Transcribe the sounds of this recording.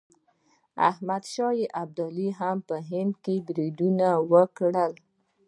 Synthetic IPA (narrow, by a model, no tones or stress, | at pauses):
a̰hmad̪ʃɑjiʔab̚d̪ɔliɦampəɦɪnd̪kebɾid̪unawəkɽəl